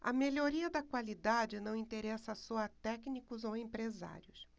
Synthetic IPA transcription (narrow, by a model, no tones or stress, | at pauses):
ɐ̰meʎoɾiɐd̪ɐkwalid̪ad͡ʒɪnɐ̃w̃ĩt̪eɾɛsɐsɔɐt̪ɛknikʊzowẽpɾeza̰ɾjʊs